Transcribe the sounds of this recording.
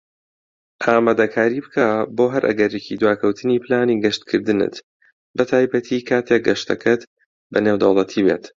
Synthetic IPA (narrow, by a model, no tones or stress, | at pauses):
ʔaːmaːd̪ɐkʰaːɾiːbɨkʰaboːɦɐɾʔɐ̰ɡɐɾecʰid̪waːkʰɐwt̪ʰɨniːplaːniːɡɐʃt̪kʰɨɾd̪ɨnɨ̰t̪ | bɐt̪ʰaːjbɐt̪ʰikʰaːt̪ʰek̚ɡɐʃt̪ɐ̰kʰɐt̪ | bɐnewd̪ɐwlˠɐt̪ʰibḛːt̪